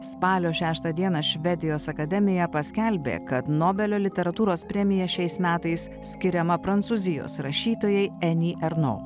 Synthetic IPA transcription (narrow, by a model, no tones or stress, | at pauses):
spɑːlʲoːʃʲæːʃt̪ɐd̪ʲiɛnɐʃʲʋʲɛd̪ʲɪjoːsɐkɐd̪ʲɛmʲɪjɛpɐsʲkʲɛlʲbʲḛːkɐt̪noːbʲɛlʲoːlʲɪt̪ʲɛɾɐt̪uːɾoːspʲɾʲɛmʲɪjɛʃʲɛɪsmʲæːt̪ɐɪs | sʲkʲɪɾʲɛmɐpɾɐnt̪suzʲɪjo̰ːsɾɐʃʲiːt̪oːjɛɪɛnʲiːʔɛɾno̰ː